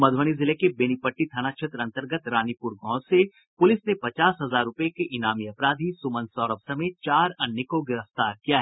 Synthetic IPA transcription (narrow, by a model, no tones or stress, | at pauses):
mɐd̪ʱʋəɽ̃izɪlekebeñipəʈːit̪ʰanakʃʰet̪ɾəɐ̃nt̪əɾɡət̪ɾaːnipʊɾɡʱɔ̃ːse | pʊlɪsnepɐt͡ʃaːsɦɐzaːɾːʊpəekeʔɪnaːmiɐpɾaːd̪ʱisʊmə̃nsɔːɾəpsɐmeːt̪̚t͡ʃaːɾɐnːɪkoɡɪɾəft̪aːɾkijaɦɛ